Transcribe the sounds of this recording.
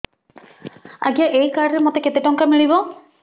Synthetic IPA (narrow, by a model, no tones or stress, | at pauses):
a̰ɡjaʔejkaɾɾemɔt̪eket̪eʈɔŋkamiɭibɔ